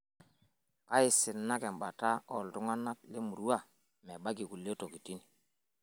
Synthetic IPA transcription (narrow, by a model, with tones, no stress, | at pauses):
ka˦i˨sɪ˨nːa˦kɛ˨m˨ba˨ta˦ɔ˨ltu˦ŋa˦na˦k̚li˦mu˨ɾu˦a˦˨ | mɛ˨ɓa˦ɡi˨ku˨le˦to˨ki˨ti˦ni˨